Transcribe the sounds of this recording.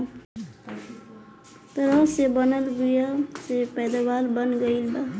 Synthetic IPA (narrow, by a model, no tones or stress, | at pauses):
t̪ʌɾʌsebʌnəlbujasepɛjd̪abalbənɡəilba